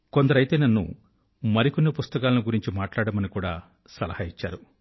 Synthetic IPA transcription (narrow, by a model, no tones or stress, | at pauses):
kond̪ɐɾɐjt̪e̞ːnɐnːṵ | mɐɾikonːipust̪ɐkaːlɐnuiɡuɾiɲt͡ʃimaːʈlaːɽɐmɐnikuːɽa̰ː | sɐlɐ̰haːit͡ʃːa̰ːɾu